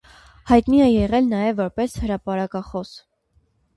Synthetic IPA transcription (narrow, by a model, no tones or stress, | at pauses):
hɑjt̪niɛjɛʁɛlnɑjɛvːɔɾpɛshəɾɑpɑɾɑkɑχɔs